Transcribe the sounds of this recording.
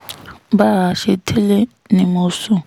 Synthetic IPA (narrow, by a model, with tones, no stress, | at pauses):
ba˦ɦa˨ʃi˦tʰi˦lɛ˦ | ni˨mʊː˦sʊ˦